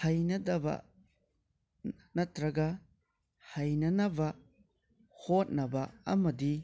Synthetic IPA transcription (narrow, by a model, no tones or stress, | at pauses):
hajnɐdɐbɐ̰ | nɐtɾɐɡɐ | hajnɐnɐbɐ | hot̚nɐbɐɐ̰mɐdi